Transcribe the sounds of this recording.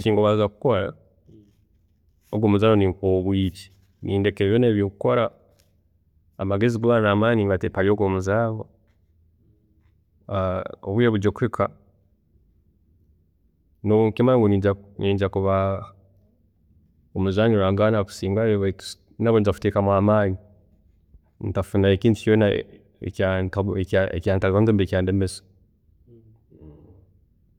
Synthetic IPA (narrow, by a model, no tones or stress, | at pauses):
t͡ʃiːŋɡoβazaku̥koɾa̰ | oɡwoːmuzaβonikoβwiːci̥ | niːndekeβjoneːβjokukoɾa | maɡeziɡuβanamaːniβatepaɾioɡomuzaːβa | oβwujeβuɟokuɾikʰa | nokimaiŋɡoianiːɲd͡ʒakuβa | omuzaːɲiɾaːŋɡanaku̥siːŋɡaeβḁ | naβond͡ʒafu̥tekamwaːmani | ntafunaekiːntu̥t͡ʃona | ḛkaaekaḛkaːntaanzembekʲaːndemeso̥